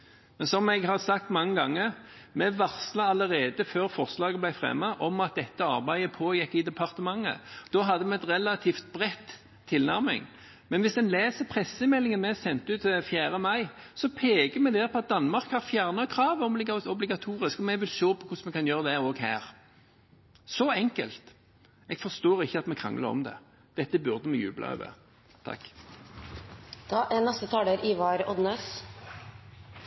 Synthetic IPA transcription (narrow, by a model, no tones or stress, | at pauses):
mɛnsɔmɛɡɦɑʁsɑk̚t̪mɑŋːəɡɑŋːəɾmɛʋɑʁslɑɑləɾeːd̪əføːɾfɔʁslɑːɡəblæɪfʁɛ̰mːɑʔɔmɑt̪̚d̪ɛt̪ːəɑ̰ʁbæɪəpʰoːjɛkːɪd̪ɛpʰɑʁt̪əmɑŋːə̰d̪̥ɔːɦɑd̪ːəmɛɛt̪ʁɛlɑt̪ʰiːft̪̚bʁɛt̪ʰː | ɪlnæɾmɪ̰ŋ | mɛnʋɪsd̪ɛnleːsəpʰʁɛsːəɪnmɛlːɪŋənmɛsɛnt̪əʉːt̪fjæːɾəmɑɪ | sɔpʰeːɡəmɛɡd̪ɛːʁpʰɔɑt̪̚d̪ɑnːmɑʁkhɑʁfjæʁnɑkʰʁɑːʋəɔblɪɡɔblɪɡɑt̪ʰuːʁɪskɔmɛʋɪlʃoːpʰɔkʰʊsmɛkʰɑnjøːʁəd̪ɛʁoːɡhæ̰ːʁ | sɔɛŋkəlt̪ | ɛɡ̥fɔʁst̪oːʁɪçːəɑt̪mɛkʰʁɑ̰ŋːlə̰ʁɔ̰md̪ɛ̰ | d̪̥ɛt̪ːəbʉʁd̪əmɛjʉ̰ːblɑ̰ø̰ːʋə̰ | t̪ʰɑ̰kː | d̪̥ɑːʔænɛst̪ət̪ʰɑːləɾʔiʋɑːɾɔd̪nœs